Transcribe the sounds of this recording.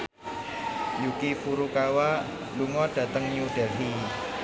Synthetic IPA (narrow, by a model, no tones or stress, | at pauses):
jukifuɾukawa | luŋɔɖ̥ä̤t̪əŋɲuɖ̥ɛlɦi